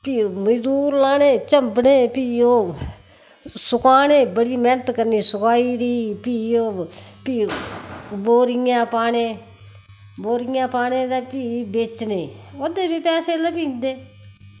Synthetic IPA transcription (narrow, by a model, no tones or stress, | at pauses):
piːoməd͡ʒd̪uːɾlaːneːt͡ʃəmbneːpiːjõː | sʊkaːneːbəɽiːmɛnət̪kəɾniːsʊkaːiːɾiːpiːjõːpiː | boːɾiãːpaːneː | boːɾijãːpaːneːd̪aːpiːbet͡ʃneːod̪eːbiːpɛːseːləpiːnd̪eː